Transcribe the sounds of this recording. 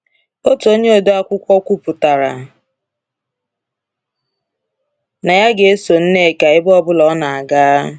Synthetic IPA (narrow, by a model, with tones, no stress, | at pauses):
o˦to˦ɲe˦o˨do˦a˦kʷʊ˦kʷɔ˦kʷu˦pʊ˨ta˨ɾa̰˨ | na˨ja˦ɡe˨e˦so˨n̩˦ne˦˨ka˨ɪ˦bɔ˦bʊ˦lɔ˨˦na˨a˨ɡa˦